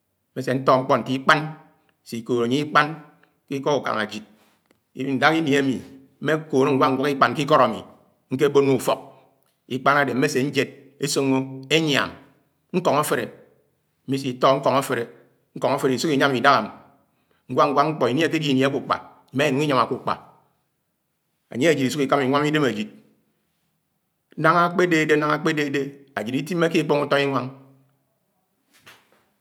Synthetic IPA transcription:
m̩˦e˦se˨n̩˦tɔ˦ŋ͡m̩˦k͡pɔ˦n̩˨ti˦k͡pa˦n˨ | si˨ko˨ɾe˨ɲi˦i˦k͡pa˦n | ki˦kɔ˦ku˨ka̰˨ŋa˨d͡ʒi˨t̚ | n̩˨da˦ki˦ni˨e˦mi˨ | m̩˦me˦ko˨n˦ŋ̩˦ɡʷa˦ŋ̩˦ɡʷa˦ki˦k͡pa˨nki˦kɔ˦ɾa˨mḭ˨ | ŋ̩˦ke˦bo˦nu˦˨fɔ˨k̚ | i˦k͡pa˦na˦de˨m̩˦e˦se˨n̩˦d͡ʒe˦d̚ | e˦so˦ŋo˦e˦ɲ˦a̰˨m | ŋ̩˦kɔ˨ŋa˦fe˨ɾe˨ | m̩˦mi˦s̬i˨˦tɔ˦ŋ̩˦kɔ˨ŋa˦fe˨ɾe˨ | ŋ̩˦kɔ˨ŋa˦fe˨ɾe˨i˨su˦ki˨ɲa˦mi˨da˦ɣa˨m˨ | ŋ̩˦ɡʷa˦ŋ̩˦ɡʷa˦ŋ͡m̩˦k͡pɔ˨i˨ni˦a˨ke˦di˦˨n˨˦ku˨k͡pa̰˨ | i˨ma˦e˨nu˨ŋi˦ɲa˨ma˨ku˨k͡pa̰˨ | a̰˨ɲe˦e˨d͡ʒi˨ti˨su˦ki˨ka˦mi˨ŋʷa˦m˦i˦de˦me˨d͡ʒi˨t̚ | na˦ŋa˦k͡pe˦de˦˨de˦na˦ŋa˨k͡pe˦de˦de˦a̰˨d͡ʒi˨ɾi˦ti˦m̩ː˦e˦ki˦k͡po˦ŋu˦tɔ˦i˦ŋʷa˦ŋ

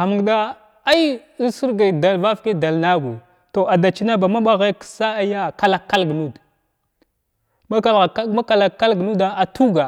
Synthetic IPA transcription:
a˨mu˨ŋɡda˦ | a˦j | su˦ɾɡa˨da˨lva˦fke˦da˨lna˦ɡu˨ | to˨ʔa˨da˨t͡ʃi˦na˦ba˨ma˦ɓa˦ɣe˦ksa˦a˨ja˦ka˨la˨kːa˦lɡnu˦d | ma˦ka˦la˨˦ma˦ka˨la˨kːa˦lɡnu˦da˦a˨tʰu˦ɡa˨

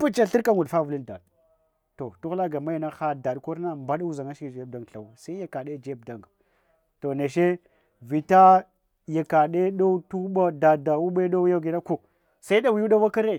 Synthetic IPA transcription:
pu˦t͡ʃa˦ɬi˦ɾka˦ŋu˨dfa˦vu˨li˦nda̰˨ɗ | to˨tu˦ɣla˦ɡa˨ma˦ja˨na˦xa˦da˨ɗko˦ɾna˦mba˦ɗu˦za˨ŋa˦ʃi˦kd͡ʒe˦b̚da˨ŋɡɬa˨wa˨sa˦i˦ja˨ka˨ɗe˦d͡ʒe˦b̚da˨ŋɡ | to˨ne˨ʃe˦ | vi˨ta˦ | ja˨ka˨ɗe˦ɗo˦u˦tu˦ɓa˦da˨da˨wu˦ɓe˦ɗo˦u˦ja˦ɡi˨na˦ko˨ | sa˦i˦a˦wi˨ju˦ɗa˦wa˦ka˦ɾe˦˨

